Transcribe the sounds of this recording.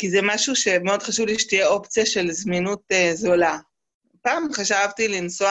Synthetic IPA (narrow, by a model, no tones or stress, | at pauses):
kizɛmaʃuʃe̞meo̞d̥χaʃuvliʃe̥t̪ijeo̞pt͡sijaʃe̞lzminutezola | paːmχaʃavt̪ilinsoa